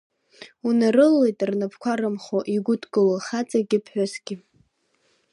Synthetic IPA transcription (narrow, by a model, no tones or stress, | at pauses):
unarɨlːejtʼrnɨpʰkʷʰaɾɨmχoʔiɡʷʊtʰʼkʼɨloχat͡sʼaɡʲɪpʰħʷᶣasɡ̥ʲɪ